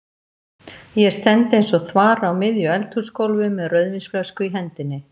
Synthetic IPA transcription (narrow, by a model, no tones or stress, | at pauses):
jɛst̪ɛnt̪ɪejnsɔθvaːɾawmɪðjʏɛlt̪ʰu̥skowlvɪmɛðrœɥðvinsflœskʏiɦɛnt̪ɪnːɪ